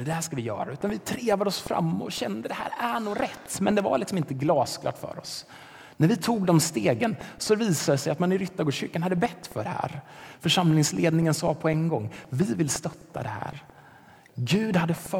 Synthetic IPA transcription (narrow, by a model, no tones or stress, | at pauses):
əd̪ɛhæːʂkavɪjœ̰ːɾaʉ̟ːt̪anvɪt̪ʰɾeːvad̪əɔsfɾa̰mːɔ̰ɕɛnd̪əd̪ɛhæ̰ːɾæɳuːɡɾɛt̪ːmɛnd̪ɛva̰lɪksɔmɪnt̪əɡlɑːskʰlɑ̰ʈ̪fœ̰ːɾɔ̰s | næɾvɪt̪ʰuːɡd̪ɔmst̪eːɡənsɔviːsad̪ɛsɛjat̪manɪɾʏt̪ːaɡoːɕʏɾkanhad̪ːəbɛt̪ːfœɖɛhæ̰ːɾfœʂamlɪŋsleːd̪nɪŋənsɑːpʰɔɛŋɡɔŋːvɪvɪlst̪œt̪ːa̰d̪ɛhæ̰ːɾ | ɡʉ̟ːd̪had̪ːəf